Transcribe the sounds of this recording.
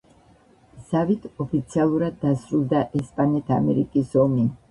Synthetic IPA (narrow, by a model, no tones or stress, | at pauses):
z̥avit̪ʰɔpʰit̪sʰialˠuɾad̪ːasɾulˠd̪aʔɛspʼanɛt̪ʰa̰mɛɾikʼisɔmi